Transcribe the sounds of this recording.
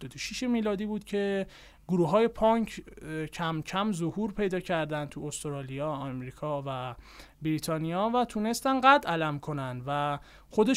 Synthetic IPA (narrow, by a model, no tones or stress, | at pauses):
od̪oʃiʃemiːlɒːd̪iːbuːd̪̥kcʰe̞ | ɡ̥oɾuːɦɒːje̞pʰɒŋkʰcʰæmcʰæmzo̞huːɾpʰe̞jd̪ɒːcʰæɾd̪ænt̪ʰuost̪ɾɒːlijɒːɒmɾiːkʰɒːvæ | bɾiːt̪ʰɒːnijɒːvæt̪ʰuːne̞st̪ænɢæd̪ælæmkʰo̞nænd̪væ | xod̪e